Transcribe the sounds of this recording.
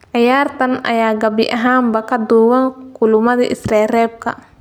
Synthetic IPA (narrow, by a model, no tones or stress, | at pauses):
ʕɪjaːrt̪ʰɐnʔɐ̰jaːɡɐbɪʔɐɦaːmbɐkʰɐd̪uːwɐŋkʰʊlʊmɐðiʔɪsrɛːrɛːb̚kʰɐ̰